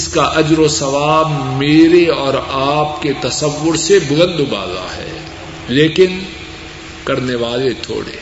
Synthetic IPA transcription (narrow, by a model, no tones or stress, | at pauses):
ɪskaʔɐd͡ʒɾosɐʋaːbmeːɾeɔːɾaːp̚ket̪ɐsəʋːʊɾsebʊlə̃nd̪ba̰ːza̰ɦɛ̰ː | leːkɪn | kɐɾneʋaːlet̪ʰo̰ːɽḛ